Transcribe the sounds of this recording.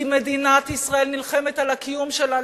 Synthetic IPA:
med̪inat̪isʁae̞lnilχemet̪alakijumʃela

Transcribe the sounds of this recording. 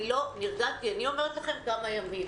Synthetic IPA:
lo̞niʁɡatianio̞me̞ʁet̪laχe̞mkamajamim

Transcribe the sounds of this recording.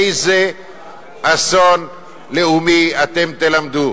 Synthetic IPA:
jze | ason | leumiat̪emt̪elamd̪u

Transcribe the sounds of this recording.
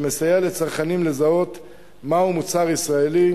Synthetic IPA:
me̞sajelet͡saʁχanimle̞zao̞t̪ | maumut͡saʁisʁaeli

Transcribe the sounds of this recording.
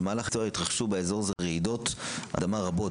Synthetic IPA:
maːlaχt͡sːit̪ʁaχʃubeezo̞ʁzeʁeido̞t̪a̰d̪amaʁabo̞

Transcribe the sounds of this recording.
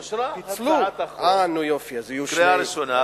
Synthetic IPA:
fluanujofiazijuɾeaɾiʃona

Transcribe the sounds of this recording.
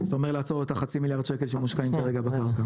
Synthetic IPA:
z̥aomeʁlaːt͡so̞ʁot̪aχat͡similjaʁd̪ʃekelʃemuʃkaimkaʁeɡabekaʁka

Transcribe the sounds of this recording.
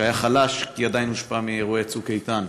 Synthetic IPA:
ajaχalaʃkiad̪ajnhuʃpamieʁuet͡sukejt̪an

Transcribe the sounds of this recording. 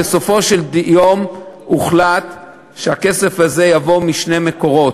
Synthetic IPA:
eso̞fo̞ʃeld̪ijom | uχlat̪ | ʃeake̞se̞faze̞javo̞miʃne̞meko̞ʁo̞t

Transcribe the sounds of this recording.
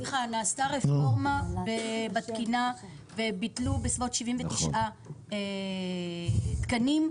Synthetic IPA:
iχanaːst̪aʁefoʁmabebat̪kina | vebitlubesvo̞tʃivimvet̪iʃʔa | e | t̪kanim

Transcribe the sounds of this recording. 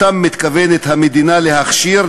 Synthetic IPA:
amːit̪kavenet̪hamed̪inale̞haχʃiɾ

